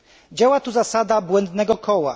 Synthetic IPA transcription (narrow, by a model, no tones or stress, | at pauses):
d͡ʑawat̪uzasad̪abwɛnd̪nɛɡɔkʰɔwa̰